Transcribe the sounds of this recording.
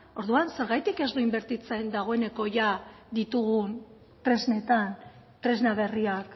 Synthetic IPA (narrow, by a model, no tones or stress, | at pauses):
o̞ɾðuanse̞ɾɣajt̪ike̞zd̪uimbe̞ɾt̪it͡se̞nd̪aɣ̞o̞e̞ne̞ko̞ʝa | d̪it̪uɣ̞un | t̪ɾe̞zne̞t̪an | t̪ɾe̞znaβ̞e̞riak